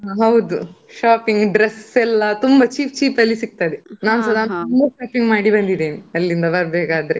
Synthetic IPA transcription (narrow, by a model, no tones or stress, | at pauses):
ɦɐwd̪uʃaːpiŋɡɖɾesɛlːɐt̪umbɐt͡ʃiːp̚t͡ʃiːpɐlːisiɡ̚t̪ad̪enaːnsɐlaːnt̪umbɐʃaːpiŋɡmaːɽibɐnd̪id̪eːniɐlːind̪ɐbɐɾbɛːkaːd̪ɐɾe